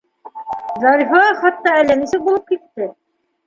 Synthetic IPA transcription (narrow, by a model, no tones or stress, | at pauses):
zɑɾifɑχɑt̪ːɑælːænisɘk̚bulˠɤp̚kit̪ːɘ